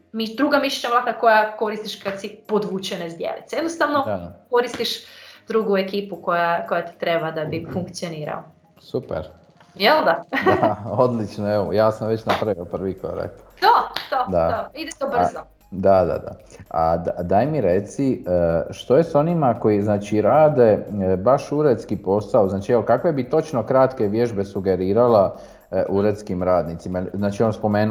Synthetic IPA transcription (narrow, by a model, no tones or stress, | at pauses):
miʃd̪ɾuːɡamiʃet͡ʃamlak̪ako̞jako̞ɾist̪iʃkad̪sipod̪ʋuːt͡ɕenezd̪jḛlḭt̪sejed̪nost̪aʋnoko̞ɾist̪iʃd̪ɾuɡuekiːpuko̞jako̞jat̪i̥t̪ɾe̞bad̪abifuŋkt̪sijoniːɾa̰lo | supḛɾ | jeld̪aaod̪lit͡ʃnoeʋo̰jaːsamʋet͡ɕnapɾaʋiopr̩ʋiko̰ɾa̰k̪t̪od̪od̪aoid̪et̪ob̩zo | d̪ad̪a̰d̪a̰a̰d̪d̪ajmiɾe̞t̪siəʃt̪o̞jeso̞nimako̞jiznaːt͡ʃiɾaːd̪e̞baʃuɾe̞d̪t̪skipo̞saoznaːt͡ʃieʋokakʋe̞bit̪o̞t͡ʃno̞kɾat̪ke̞ʋje̞ʒbe̞suɡe̞ɾiːɾala | ʔuɾet̪skimɾaːd̪nit̪simajelznaːt͡ʃionspo̞meːn